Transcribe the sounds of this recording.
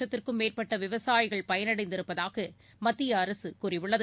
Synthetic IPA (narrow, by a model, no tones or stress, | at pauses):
ɐt̪ːɪrkɯmːeːrpɐʈːɐʋɪʋɐsaːjɪɣɐɭpɐjɐnɐɽɐɪnd̪ɪɾɯpːɐðaːɣɐ | mɐt̪ːɪjɐːɾɐsɯkurɪʋɯɭːɐð